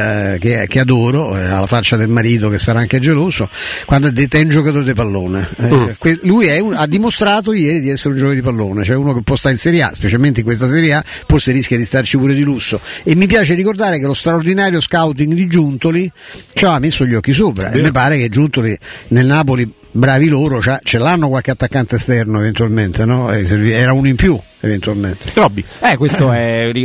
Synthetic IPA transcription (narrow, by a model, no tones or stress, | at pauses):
kek̟ead̪oːɾoa̰lːafat͡ʃːad̪elmaɾiːt̪̬okesaɾaaŋkead͡ʒeloːsokwand̪oɛd̪ːet̪ːɛund͡ʒok̬at̪oːɾed̪epalːoːnḛkwelujɛunad̪ːimost̪ɾaːt̪̬ojɛːɾid̪iɛsːeɾeund͡ʒoːved̪ipalːoːnet͡ʃoɛuːnokepːɔst̪aɾilsɛɾjea̰spet͡ʃalment̪eiŋkwest̪as̬ɛɾjea | forseɾiskʲjad̪ist̪art͡ʃipuːɾed̪ilusːoemːipjaːt͡ʃerikord̪aːɾekelost̪ɾaord̪inaːɾjoskawt̪̬iŋɡd̪id͡ʒunt̪olit͡ʃamːesːoʎːɔkːis̬oːpɾa̰emːep̬ːaːɾeked͡ʒːunt̪olinelnaːpoli | bɾaːviloːɾot͡ʃat͡ʃɛlanːokwalkeat̪ːakːant̪est̪ɛrnoevent̪ualment̪enɔɛ̰seviɛːɾaunoimpju | event̪ualment̪e̥t̪ɾɔbːiɛkwest̪oɛi